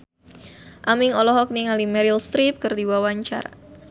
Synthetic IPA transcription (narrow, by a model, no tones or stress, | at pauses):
ʔamɪŋɔlɔɦɔk̚niŋalimɛɾilst̪ɾip̚kərdiwawaɲt͡ʃa̰ɾa̰